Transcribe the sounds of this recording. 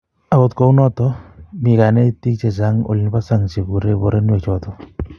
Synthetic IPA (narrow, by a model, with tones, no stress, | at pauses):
a˨ɡo˨t̪ko˨u˦nɔ˦t̪ɔ˦mi˨ka˨nɛ˦t̪i˦k̚t͡ʃe˨sa˨˦ŋo̰˨li˨n˦pa˦sa˦ŋt͡ʃe˨ɡu˨ɾe˦bo˨ɾe˦n˦e˨t͡ʃɔ˦t̪ɔ˦